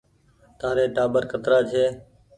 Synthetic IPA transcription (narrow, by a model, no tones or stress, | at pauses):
t̪aːɾeːʈaːbəɾkət̪ɾaːt͡ʃʰeː